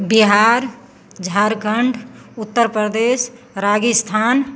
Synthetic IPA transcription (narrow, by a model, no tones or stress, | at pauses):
biɦaɾ | d͡ʒʱaɾkəɳɖʱut̪ːəɾpɾəd̪es | ɾaɡist̪ʰan